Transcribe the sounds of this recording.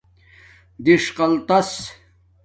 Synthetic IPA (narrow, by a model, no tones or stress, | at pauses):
d̪iʂqɑlt̪as